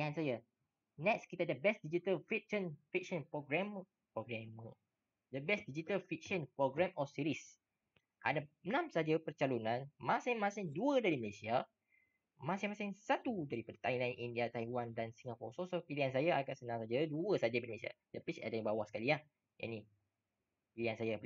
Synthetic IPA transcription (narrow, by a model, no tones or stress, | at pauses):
iansaja | nɛk̚skit̪adəbɛsdid͡ʒit̪əlfik̚ʃənfik̚ʃənpɾɔɡɾɛm | pɾɔɡɾɛmə | dəbɛsdid͡ʒit̪əlfik̚ʃənpɾɔɡɾɛmʔɔsiɾis | ʔa̰daənãmsad͡ʒəpərt͡ʃalunãnmãsɪŋmãsɪŋduədaɾiməlesia | mãsɪŋmãsɪŋsat̪udaɾipadət̪ajmlajnʔindiat̪ajwandansiŋapɔ̰sosokiliansajaaɡaʔsənãŋsad͡ʒaduəsad͡ʒapiməlesia̰ | dəpit͡ʃa̰danibawahsə̥kaliah | ja̰ni | piliansaja